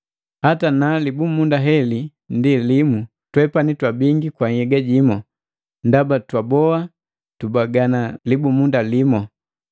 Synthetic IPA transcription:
hatanalibumundaɦɛli | ndilimu | twɛpanitwabiŋɡikwaŋhɛɡaɟimɔ | ndabatwabɔa | tubaɡanalibumundalimɔ

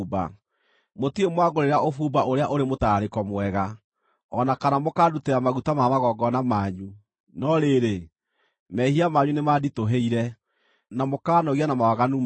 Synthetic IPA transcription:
ba̰ | motiemwaɡoɾeɾaʔofubaʔoɾeaʔoɾemotaɾekɔmwɛɣa | ɔnakanamokaːduteɾamaɣutamamaɣɔɡɔnamaːɲu | nɔɾeɾe | mɛhiamaːɲunemaditoɦeiɾɛ | namokaːnɔɣianamawaɣanu

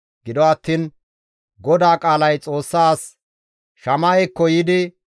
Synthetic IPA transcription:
ɡ̥ɪd̪ɔɐt̪ːiːn | ɡɔd̪aːkʼaːlɐjt͡sʼo̞ːsːaːs | ʃɐmaɛkːɔjɪd̪ɪ

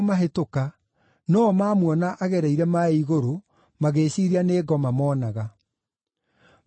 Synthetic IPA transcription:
maɦetoka | nɔmaːmwɔnaʔaɣɛɾɛiɾɛmaiɣoɾo | maɣeːɕiɾianeːɡɔmamɔːnaɣa

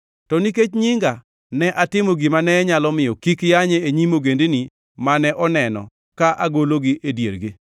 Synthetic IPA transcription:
tɔniket͡ʃɲɪŋɡa | nɛʔatɪmoɡɪmanɛɲalɔmɪjɔkikjaɲeeɲimoɡendeni | manɛʔɔnɛnɔ̰ | kaʔaɡoloɡɪʔedjḛɾɡɪ

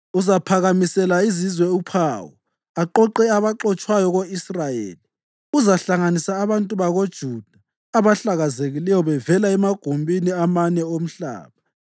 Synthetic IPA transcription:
uzapʰaɣamisɛlaizizwɛupʰaːwɔ̰ | aǃɔǃɛaβaǃɔt͡ʃʼwajɔɣoisrajḛːli | uzaɬaŋanisaːβantʼuβaɣod̥ʒ̥ʱud̥ʱaː | βaɬaɣazeɣilɛjɔβɛvɛlaɛmaɡ̥ʱumbʱiniamanɛom̩ɬa̰ːβa

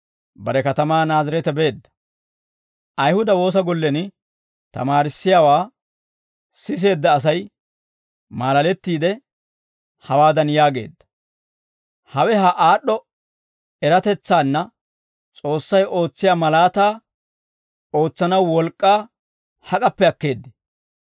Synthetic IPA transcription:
bɐɾɛkɐt̪ɐmaːnaːzɪɾɛt̪ɛbe̞ːd̪ːɐ̥ | ʔɐjhʊd̪ɐwo̞ːs̬ɐɡɔlːɛnɪ | t̪ɐ̰maːɾɪsːɪjaːwaː | sɪs̬e̞ːd̪ːɐːs̬ɐj | maːlɐlɛt̪ːiːd̪ɛ | hɐwaːd̪ɐnjaːɡe̞̰ːd̪ːɐ̥ | hɐwɛɦɐʔaːɗːɔ | ɛɾɐt̪ɛt͡sːaːnːɐ | t͡sʼo̞ːsːɐjʔo̞ːt͡sːɪjaːmɐlaːt̪aː | o̞ːt͡sːɐnɐwːɔlkʼːaː | hɐkʼɐpːɛɐkːe̞ːd̪ːɛ̥

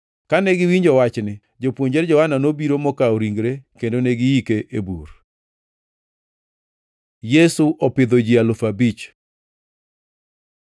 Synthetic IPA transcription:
kanɛɡɪwiɲd͡ʒɔwat͡ʃnɪ | d͡ʒopwoɲd͡ʒɛɾd͡ʒɔhananobiɾomɔkaoɾiŋɡɾekendoneɡɪikeʔebṵr | jɛsuʔɔpɪd̪od͡ʒialofabit͡ʃ

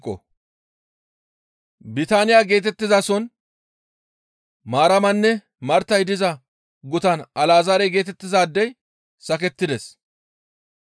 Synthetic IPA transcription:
kʼːɔ̰ | bɪt̪aːnɪjaːɡe̞ːt̪ɛt̪ːɪzasɔn | maːɾɐmɐnːɛ | mɐɾt̪ɐjd̪ɪzɐ | ɡʊt̪ɐnʔɐlaːzɐɾɛjɡe̞ːt̪ɛt̪ːɪzaːd̪ːɛj | sɐkɛt̪ːɪd̪ɛs

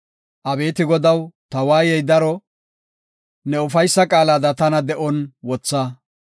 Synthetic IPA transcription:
ʔɐbe̞ːt̪ɪɡɔd̪ɐwt̪ɐwaːjɛjd̪ɐɾɔ | nɛʊfɐjsːɐkʼaːlaːd̪ɐt̪ɐnɐd̪ɛʔɔnwɔt͡sːaː

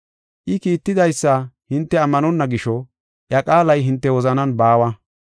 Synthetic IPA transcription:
ʔɪkiːt̪ːɪd̪ɐjsːɐhɪnt̪ːɛɐmːɐnɔnːɐɡɪʃɔ | ʔjɐkʼaːlɐjɦɪnt̪ːɛwɔzɐnɐnbaːwɐ

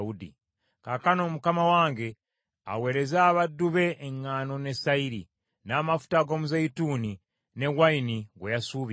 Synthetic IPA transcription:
udḭ | kakano̞ːmukamawaːŋɡe̞ | a̰we̞ːɾezaːβadːuβe̞ʔːŋːaːno̞ne̞saiɾi | naːmafu̥taɡo̞ːmuzaituːni | ne̞wainiɡwejasuːβ

